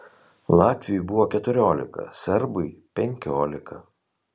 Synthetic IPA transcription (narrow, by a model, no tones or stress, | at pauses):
lˠɑːt̪ʲʋʲɪjʊjbʊʋoːkʲɛt̪ʊɾʲoːlʲɪ̰kɐ̰sʲɛɾbɐɪpʲɛŋʲkʲoːlʲɪkʰɐ